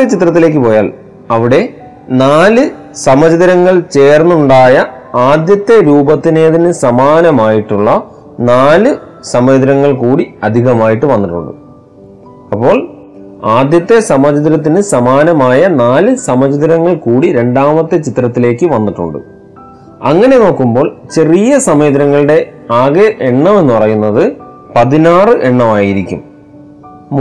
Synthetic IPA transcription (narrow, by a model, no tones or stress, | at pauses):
et͡ɕit̪ːrɐt̪ːileːk̬ːɨpo̞ːjaːl | ɐʋiɽe̞ | naːlɨ | sɐmɐd͡ʑɐðɐɾɐŋːɐɭt͡ɕe̞ːrnːuɳɖaːjɐaːd̪jɐt̪ːe̞ɾuːbɐt̪ːineːðinɨsɐmaːnɐmaːjiʈːuɭːɐ | naːlɨ | sɐmɐd͡ʑðiɾɐŋːɐɭkuːɽiɐd̪ʱiɣɐmaːjiʈːɨʋɐnːiʈːṵɳɖɨ̰ | ɐpːo̞ːɭ | aːd̪jɐt̪ːe̞sɐmɐd͡ʑðiɾɐt̪̬ːinɨsɐmaːnɐmaːjɐnaːlɨsɐmɐd͡ʑɐðiɾɐŋːɐɭkuːɽiɾe̞ɳɖaːmɐt̪ːɨt͡ɕit̪ːɾɐt̪ːile̞ːkːɨʋɐnːiʈːṵɳɖɨ̰ | ɐŋːɐne̞no̞ːkːumbo̞ːɭt͡ɕe̞rijɐsɐmeːðiɾɐŋːɐɭɨɽe̞ | aːɣeʔeɳːɐme̞nːɨpɐrɐjunːɐðɨ | pɐðinaːrɨʔeɳːɐmaːjiɾikʲːṵm